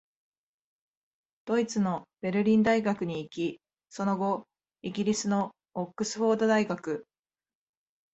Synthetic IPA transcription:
d̪̥o̞it͡sɨno̞b̥e̞ɾɯ̟ɾʲĩnd̪aiɡakɯ̟ɲ̟iːkʲi | so̞no̞ɡo̞ | iɡʲiɾʲisɨno̞ː | kːɯ̟sɨ̥ɸo̞ːd̪o̞d̪aiɡakɯ̟

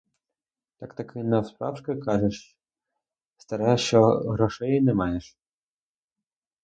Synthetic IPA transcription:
t̪ɑkt̪ɐkʰɪnɐwspɾɑwʃkɐkɑʒeʃ | st̪ɐɾɛʃt͡ʃɔɦɾɔʃɛjnɛmɑjeʃ

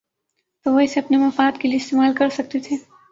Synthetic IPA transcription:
t̪oʋəɦiseɐpnemãfaːt̪kelijeɪst̪emaːlkəɾsək̚t̪et̪ʰe

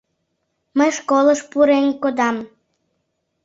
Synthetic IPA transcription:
məjʃkolˠəʂpuɾenʲkod̪ɑm

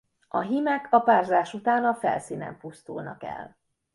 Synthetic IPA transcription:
ɒɦimɛkʰɒpaːrzaːʃut̪aːnɒfɛ̰lsiːnɛ̰mpust̪ulnɒkɛ̰l

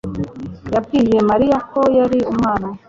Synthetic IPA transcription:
jabɡiːje̞maɾijakʰojaɾiumŋaːna

